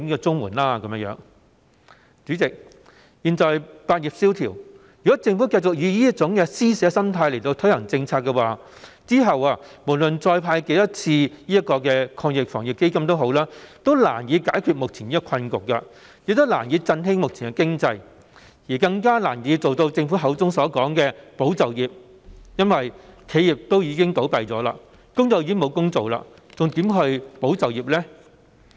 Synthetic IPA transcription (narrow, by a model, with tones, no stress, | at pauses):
ni˥kɔ˧t͡sʊ˥ŋwuː˨˩nlaː˥kɐ˨m˥jœ̰ː˨˧˥ŋ | t͡syː˨˥t͡sɪ˨k̚ | jiː˨˧nt͡sɔː˨jpaː˧t̚ji˨p̚siː˥wt̪ʰiː˨˩w | jy˨kɔ˨˦˥t͡sɪ˧ŋfuː˨˥kɐ˧jt͡sʊ˨k̚jiː˨˧jiː˥ɐ˥t̚t͡sʊ˨˥ŋkɛ˧siː˥sɛː˨˧˥sɐ˥mt̪ʰaː˧jle˨˩jt̪o˧wt̪ʰɵ˥ɥhɐ˨˩ŋt͡sɪ˧ŋt͡sʰaː˧t̚kːɛ˧waː˨ | t͡siː˥ɦɐ˨waː˧mo˨˩lɵ˨nt͡sɔː˧jpʰaː˧jke˨˧˥jɐ˥t̚t͡sʰiː˧jiː˥jɐ˥t̚kɔː˧kɛː˧kʰɔː˧ŋjɪ˨k̚fɔː˨˩ŋjɪ˨˩ke˥jkɐ˥mt̪o˥wɦo˨˥wlaː˥t̪o˥wla̰ː˨˩njiː˨˧kaː˨˥jkʰyː˨t̚mʊ˨k̚t͡sʰiː˨˩niː˥kɔ˧kʰɐ˧nkʊ˨k̚ːɐ˧ | jɪ˨k̚t̪ʊ˥la̰ː˨˩njiː˨˧t͡sɐ˧nɦɪ˥ŋmʊ˨k̚t͡sʰiː˨˩ŋkɛ˧kɪ˥ŋt͡sɐ˧j | jiː˨˩kɐ˧ŋkaː˥laː˨˩njiː˨˧˥t͡so˨wt̪o˧wt͡sɪ˧ŋfu˨˥ɦɐ˨˧˥wt͡sʊ˥ŋsɔː˨˥kɔː˨˥ŋkɛː˧po˨˥wt͡sɐ˨wjiː˨p̚ | jɐ˥nwɐ˨jkʰe˨˧˥jiː˨p̚t̪o˥wjiː˨˧kɪ˥ŋt̪o˨˥wpɐ˨jt͡sɔː˨˥la̰ː˧ | kʊ˥ŋt͡so˨˧wjiː˧˥ŋmo˨˧wkʊ˥ŋt͡so˨wla̰ː˧ | t͡sʊ˨ŋt̪iː˨˥mɦɵ˧ɥpo˨˥wt͡sɐ˨wjiː˨p̚lɛː˥